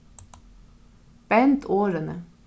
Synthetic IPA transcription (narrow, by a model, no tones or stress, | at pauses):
b̥ɛnt̪ʰoːɾənə